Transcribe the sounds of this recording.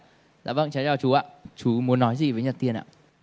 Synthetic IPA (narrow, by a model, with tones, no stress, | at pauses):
za̰ː˧˨˩və̰˧˨ŋt͡ɕa˨˦jt͡ɕɔː˧˩t͡ɕu˨˦ʔa̰ː˧˨t͡ɕu˨˦mu˨˦ənːɔ˨˦jzi˨˩vəː˨˦jɲə˨˩t̚t̪i˧ənʔa̰ː˧˨